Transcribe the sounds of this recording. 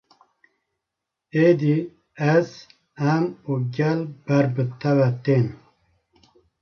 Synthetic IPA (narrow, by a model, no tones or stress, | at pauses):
eːd̪i | ɛz̥ | ɛmuːɡɛlb̥ɛɾbɨt̪ʰɛvɛt̪eːn